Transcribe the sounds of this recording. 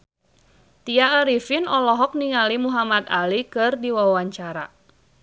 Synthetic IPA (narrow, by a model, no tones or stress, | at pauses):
t̪iaːɾifinɔlɔɦɔk̚niŋalimuɦamat̪alikɨrdiwawaɲt͡ʃaɾa̰